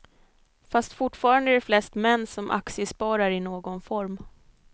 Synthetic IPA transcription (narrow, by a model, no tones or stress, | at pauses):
fast̪fʊʈfɑːɾand̪əæɖɛflɛst̪mɛnːsɔmʔa̰ksɪəspɑːɾaɾɪnoːɡɔnfɔɾm